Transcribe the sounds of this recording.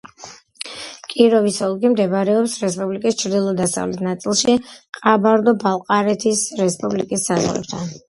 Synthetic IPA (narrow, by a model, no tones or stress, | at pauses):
kʼiɾɔvisɔlˠɡimd̪ɛbaɾɛɔpsɾɛspʼublikʼist͡ʃʰɾd̪ilˠɔd̪asa̰vlɛ̰it̪ʰnat̪sʼilˠʃiqʼabaɾd̪ɔbalˠqʼaɾɛt̪ʰisɾɛspʼublikʼisːazʁɾɛ̰p̚t̪ʰan